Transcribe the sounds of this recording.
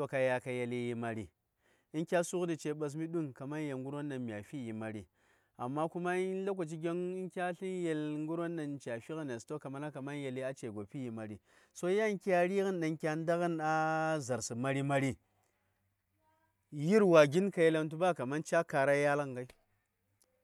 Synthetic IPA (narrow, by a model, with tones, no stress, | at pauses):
o˦ka˨ja˨ka˨je˨li˦ji˨ma˨ɾi˨ | i˦nkʲa˦su˦ɣdi˨t͡ʃe˨ɓa˨s̬mi˦ɗu˦nka˨ma˦n˦je˨ŋɡu˦ɾo˦nːa˨mʲ˨a˨fi˦ji˨ma˨ɾi˨ | a̰˨mːa˦ku˦ma˦i˦n˦la˦kʷo˨t͡ʃi˦ɡʲe˦ni˦nkʲa˦ɬi˦nje˨lŋɡu˦ɾo˦nːa˨nt͡ʃa˨fi˦ɣi˦n˨a˨sto˦ka˨ma˨na˦ka˨ma˦n˦je˨li˦a˦t͡ʃe˨ɡo˨pi˦ji˨ma˨ɾi˨ | so˦ja˦nkʲa˦ɾi˦ɣi˦nɗa˨ŋkʲa˦n˦da˦ɣi˦na˦za˨ɾsi˨ma˨ɾi˦ma˦ɾi˦ | ji˦ɾwa˨ɡʲi˦nka˨je˦la˦nt̬u˦ba˦ka˨ma˦nt͡ʃa˦ka˨ɾa˦ja˦la˦ŋɡa˦i˦